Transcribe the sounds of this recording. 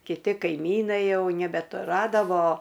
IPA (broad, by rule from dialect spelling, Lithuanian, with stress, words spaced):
kʲɪˈtʲɪ kɐɪˈmʲiːnɐɪ ˈjɛʊ nʲɛbʲɛtʊˈrɑːdɐʋoː